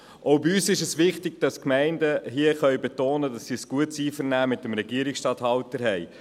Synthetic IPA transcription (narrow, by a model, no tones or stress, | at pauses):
ʔoʊbiyːsɪʃəsʋɪχtɪɡ̚d̥ɑskmɛɪndəɦiəχœɥbɛtoːnədɑsːisɡ̥uətsiːfəɾnæːmɪtəmɾɛɡiəɾɪksʃtɑthɑwtəɾɦɛj